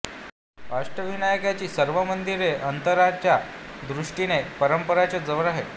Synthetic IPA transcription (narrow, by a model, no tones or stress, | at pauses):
paʂʈɾəʋinajəkjat͡ɕiːsəɾʋəmənd̪iɾeʔənt̪əɾat͡ɕjad̪ɾuʂʈinepəɾəmpəɾat͡ɕad͡zəʋəɾaɦe